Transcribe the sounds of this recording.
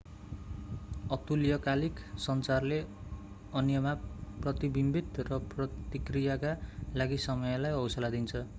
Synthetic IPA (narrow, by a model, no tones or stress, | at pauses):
ʌt̪uljʌkaliksʌnt͡sarle | ʌnjʌmaprʌt̪ibimbit̪rʌprʌt̪ikrijakalaɡisʌmʌjʌlajʌwsʌlad̪int͡sʰʌ